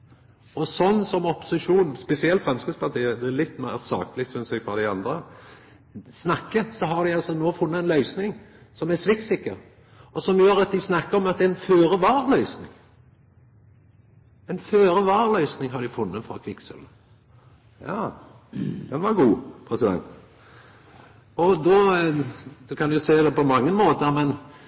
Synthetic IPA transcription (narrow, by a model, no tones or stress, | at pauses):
ɔsɔnːsɔmɔpʊ̥sɪʃuːnspɛsɪɛlt̪fʁɛmskəspʰɑʁt̪ʰiːəd̪ɛælɪt̪ːmæʁsɑ̰ːklɪk̚t̪sʏnsɛɡfɾɑd̪æɪɑnd̪ɾə | snɑkːəsɔɦɑd̪ɪɑlsɔnoːfʊnːəɛnlœʏsnɪŋsɔmæsʋɪksɪkːəɾ | ɔsɔmjøːɾɑt̪̚d̪ɪsnɑkːəɾɔmɑt̪̚d̪ɛɛnføːɾəʋɑːɾlœʏsnɪŋ | ɛnføːɾəʋɑːʁlœʏsnɪŋɦɑd̪ɪfʊnːəfɾɑ̰ːkʰʋɪksœ̰lə | jɑ̰ː | d̪̥ɛnʋɑɾɡuːpʰɾɛsɪd̪ɛ̰nt̪ | ɔd̪ɔː | d̪̥ʉkʰɑnjʊseːd̪ɛpɔmɑŋːəmoːt̪əɾmɛn